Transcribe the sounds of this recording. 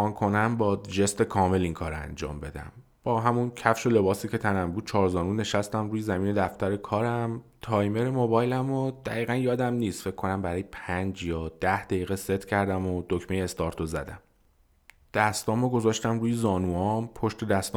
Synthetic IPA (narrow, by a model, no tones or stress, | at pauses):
ɒːnkʰo̞næmbɒːd͡ʒe̞st̪ekʰɒːme̞liŋkʰɒːɾæ̰nd͡ʒɒ̰ːmbe̞d̪æ̰m | b̥ɒːɦæmuncʰæfʃo̞le̞bɒːsiːcʰe̞t̪ʰænæmbuːd̪̥̚t͡ʃʰɒːɾzɒːnuːne̞ʃæst̪æmɾuːjezæmiːne̞d̪æft̪æɾe̞kʰɒːɾæmt̪ʰɒːjme̞ɾemobɒːjlæmod̪̥æɣiːɣænjɒːd̪æmniːst̪fe̞cʰːo̞næmbæɾɒːjepʰænd͡ʒjɒːd̪̥æhd̪æjiːɣese̞t̪ʰcʰæɾd̪æmod̪̥ocmejeːst̪ɒːɾt̪ʰozæ̰d̪æm | d̪̥æst̪ɒːmoɡo̞zɒːʃt̪æmɾuːjezɒːnuːɒmpʰo̞ʃt̪e̞d̪æst̪ɒː